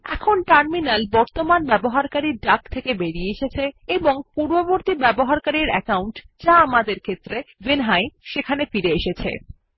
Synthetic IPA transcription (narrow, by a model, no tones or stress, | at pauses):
ɛ̰kʰonʈaɾminalbɔɾt̪omanbɛboɦaɾkaɾiɖakt̪ʰekebeɽieeʃet͡ɕʰeeboŋpuɾboboɾt̪ibɛboɦaɾkaɾiɾɛkawɳʈ | d͡ʑaamad̪eɾkʰet̪ːɾevenɦajʃekʰanefiɾeeʃet͡ɕʰḛ